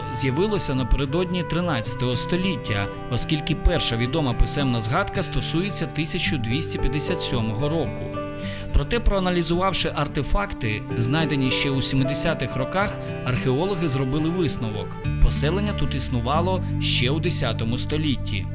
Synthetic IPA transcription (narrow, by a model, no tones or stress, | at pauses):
zʲjɐʋɪlˠɔsʲɐnɐpeɾed̪ɔdʲnʲit̪ɾɪnɑt͡sʲɐ̥t̪ɔɦɔst̪ɔlʲitʲːɐ̰ | ɔskʲilʲkɪpɛrʃɐʋʲid̪ɔmɐpɪsɛmnɐzɦɑd̪kɐst̪ɔsujet͡sʲːɐt̪ɪsʲɐt͡ʃʊd̪ʲʋʲisʲtʲɐpʲjɐd̪esʲat̪sʲɔmɔɦɔɾɔkʊ̰ | pɾɔt̪ɛpɾɔɐnɐlʲizʊʋɑwʃɪʔɐrt̪efɑkt̪ɪznɑjd̪enʲiʃt͡ʃɛwsʲimɪd̪esʲat̪ɪxrɔkɑx | ɐrxeɔlˠɔɦɪzrɔbɪlˠɪʋɪsnɔʋɔ̰kpɔsɛlˠenʲːɐt̪ut̪isnʊʋɑlˠɔʃt͡ʃɛwd̪esʲat̪ɔmʊst̪ɔlʲitʲːḭ